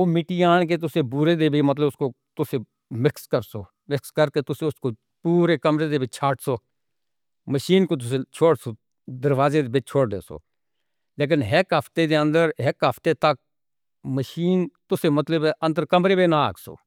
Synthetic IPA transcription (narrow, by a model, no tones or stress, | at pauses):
oːmɪʈiːaːnk̬eːt̪̬ʊseːbuɾeːd̪eːbʱiːmət̪̬ləbʊskoː | t̪ʊseː | mɪkskəɾsoː | mɪkskəɾkeːt̪ʊseʊskoː | puːɾeːkəmɾeːd̪eːbʱit͡ʃʰaːʈʰsoː | məʃiːnkoːt̪̬ʊset͡ʃʰoːɽsoː | d̪əɾʋaːzeːd̪eːbɪt͡ʃʰoːɽd̪ḛːso̰ː | leːk̬ɪnɦɛkɦəpt̪eːd̪eːə̃nd̪əɾɦɪkɦəpʰt̪eːt̪ək̚ | məʃiːnt̪ʊseːmət̪ləbɛʔə̃nd̪əɾkəmɾeːbeːnaa̰ːɡso̰ː